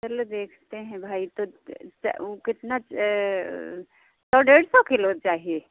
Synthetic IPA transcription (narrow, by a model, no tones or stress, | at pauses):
t͡ʃɐlod̪eːkʰt̪eɦɛ̃bʱaːit̪o̰ | okɪt̪na | sɔːɖeːɽsɔkʰelot̪̚t͡ʃaːɦie